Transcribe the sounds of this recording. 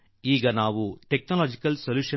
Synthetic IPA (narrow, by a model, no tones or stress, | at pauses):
iːɡɐnaːʋuʈɛk̚nɐlaːd͡ʒɪkːɐlsɔluːʂɐ